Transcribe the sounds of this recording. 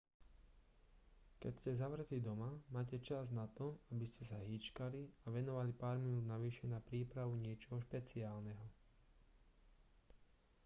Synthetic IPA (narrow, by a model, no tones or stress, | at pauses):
kɛ̰cscɛzaʋɾɛtlid̪ɔmamaːcɛt͡ʃaznat̪ɔabiscɛsaɦiːt͡ʃkaliaʋɛnɔʋalipaːɾminuːd̪naʋiːʃɛnapɾiːpɾaʋuɲɪɛt͡ʃɔɦɔʃpɛt͡siaːlnɛɦɔ